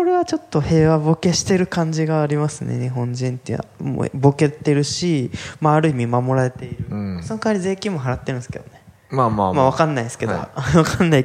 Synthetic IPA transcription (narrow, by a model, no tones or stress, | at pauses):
ko̞ɾe̞βat͡ɕo̞t̪ːo̞he̞ːβabo̞ke̞ɕi̥t̪e̞ɾɯ̟kãɲ̟d͡ʑiɡaːɾʲimasɨnḛɲ̟iɦõ̞ɲd͡ʑĩnt̪ḛa̰mo̰bo̞ke̞t̪ːe̞ɾɯ̟ɕimaːɾɯ̟imʲimamo̞ɾaɾe̞t̪e̞iɾɯ̟sonokanaɾʲize̞ːkʲĩmːo̞ɦaɾat̪ːeɾɯ̟̃sɨ̥ked̪one̞ | maːmamaβ̞akanːaisɨ̥ked̪o̰βakanːai